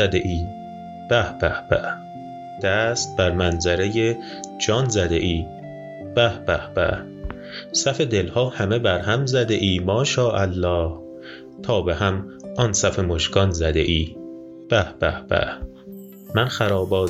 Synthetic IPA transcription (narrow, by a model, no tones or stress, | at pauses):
æd̪eʔiː | b̥æhb̥æhbæ̰ | d̪̥æːst̪̚bæɾmænzæɾeje | d͡ʒɒːnzæd̪ḛʔiː | b̥æhb̥æhb̥æ̰h | sæfe̞d̪elhɒːhæme̞bæɾhæmzæd̪eʔiːmɒːʃɒːʔælːɒːh | t̪ʰɒːbehæmʔɒnsæfemoʃkɒnzæd̪e̞̰ʔiː | b̥æhb̥æ̰hb̥æ̰h | mænxæɾɒːbɒː